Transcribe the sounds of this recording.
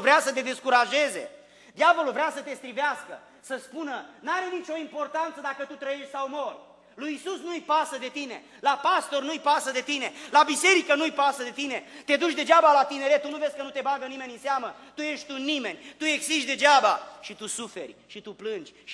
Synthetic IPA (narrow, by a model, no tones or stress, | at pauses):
vɾeasət̪̬e̞d̪e̞skuɾaʒe̞ze̞̰ | d̪javo̞lulvɾeasət̪e̞st̪ɾiveaskə̰ | səspunənaɾe̞nit͡ʃo̞impo̞rt̪ant̪səd̪akət̪ut̪ɾəje̞ʃt̪ʲsawmo̞rʲ | lujisusnuɨjpasəd̪e̞t̪ine̞̰ | lapast̪o̞rnuɨjpasəd̪e̞t̪ine̞labise̞ɾikənujpasəd̪e̞t̪inet̪e̞d̪ut͡ʃʲd̪e̞d͡ʒabalat̪ine̞ɾet̪ːunuvesʲkənut̪e̞baɡənime̞nʲɨnseamət̪uje̞ʃt̪̚ʲt̪unime̞nʲt̪ue̞ɡsiʃt̪d̪e̞d͡ʒaba̰ʃit̪usufe̞̰rʲʃit̪uplɨnd͡ʒʲ